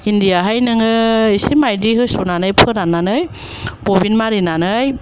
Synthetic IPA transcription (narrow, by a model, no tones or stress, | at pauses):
indijaɦajnɯŋɯisimajdiɦɯsunanɯjpʰɯɾananɯj | bobinmaɾinanɯj